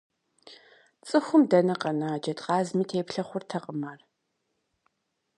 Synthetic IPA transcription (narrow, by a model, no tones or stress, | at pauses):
t͡sʼɨxʷʊmdɐnɐqɐnaːd͡ʒɐtqɑːzmiːtʰeːpɬɐχʷʊrtʰɐqʼəmaːr